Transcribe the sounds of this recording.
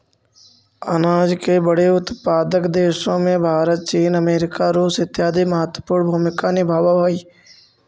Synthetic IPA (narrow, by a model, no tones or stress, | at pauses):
ə̰naːd͡ʒkebəɽeʊt̪paːd̪əkd̪eːʃõmẽbʱaːɾət̪̚t͡ʃiːnəmeːɾɪkaɾuːsɪt̪jaːd̪ʱiməɦət̪wəpuːɳbʱuːmɪkanɪbʱaːbabaːiː